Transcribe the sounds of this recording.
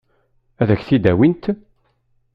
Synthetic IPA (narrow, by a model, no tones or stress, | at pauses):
æðæçθid̪æwint̪